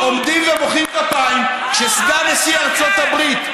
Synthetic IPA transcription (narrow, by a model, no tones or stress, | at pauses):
omd̪imvemoχimkapajm | ʃesɡanesiaʁt͡sot̪abʁit̪